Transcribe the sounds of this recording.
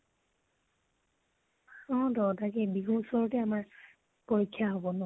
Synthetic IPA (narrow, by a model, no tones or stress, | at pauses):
ɔ̃dɔtakɛbiɡusɔɹɔtɛamaɹ | pɔjkʰːjaɦɔbɔnɔ